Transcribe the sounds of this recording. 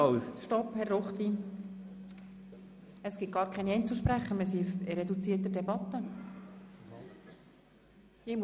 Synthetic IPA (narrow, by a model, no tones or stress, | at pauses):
ʃtɔphɛrːoχt̪i | əsɡ̥ɪt̪̚ɡ̥ɑːɾkʰɛniɛɪnt͡suʃpɾæχːəmisiɪɾɛd̪ut͡siərt̪ədɛbɑt̪ːə | ɪm